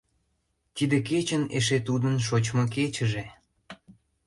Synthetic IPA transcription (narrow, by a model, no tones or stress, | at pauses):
t̪id̪eket͡ɕəneʃet̪ud̪ənʃot͡ɕmok̬et͡ɕəʒe